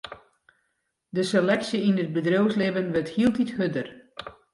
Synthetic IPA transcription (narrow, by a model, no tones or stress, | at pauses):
dəselɛksjəinəd̚bədrowslɪbənʋəthiəlˠtithødər